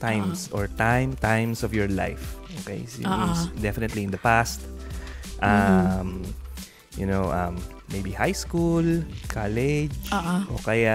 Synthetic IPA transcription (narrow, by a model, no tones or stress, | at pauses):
t̪ãjmsʔɔɹt̪ãjmt̪ãjmsɔvjɔɹla̰jfʔokḛjssd̪ɛfɪnɛt̪liɪ̃nd̪ɐpast̪ | ʔam | jʊnoʔɐ̃mː | ejbihajskulkʰalɛd͡ʒʔo̰kɐja